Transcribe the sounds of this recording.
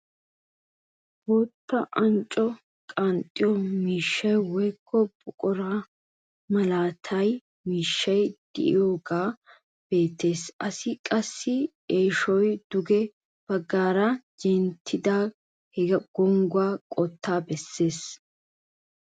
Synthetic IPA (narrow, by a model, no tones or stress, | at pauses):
boːt̪ːɐʔɐnt͡ʃʼɔ | kʼant̪ʼːɪjɔmiːʃːɐjwɔjkʰːɔbʼʊkʼɔɾa | mɐlaːt̪ʰɐj | miːʃːɐjd̪̥ɪ̰ʔɪ̰joːɡaː | b̥e̞ːt̪ːe̞ːsɐsɪkʼɐsːɪ | eːʃɔjd̪̥ʊɡɛ | b̥ɐɡːaːɾɐd͡ʒɛnt̪ʰːɪd̪aː | hɛɡɐɡ̥ɔŋɡʊaːkʼɔt̪ːaːbɛsːe̞ːs